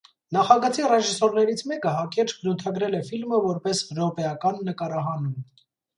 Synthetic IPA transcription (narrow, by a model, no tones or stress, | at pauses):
nɑχɑɡət͡sʰirɛʒisɔɾnɛɾit͡sʰmɛkəɦɑkɛɾt͡ʃɡəɾut̪ʰɑɡɾɛlɛfilməvɔɾpɛsɾɔpɛɑkɑnːəkɑɾɑɦɑnum